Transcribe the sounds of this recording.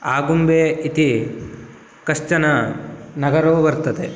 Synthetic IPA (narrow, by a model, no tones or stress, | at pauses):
aːɡumbeːit̪i | kɐʃt͡ʃɐnɐnɐɡɐɾoːʋɐɾt̪ɐt̪e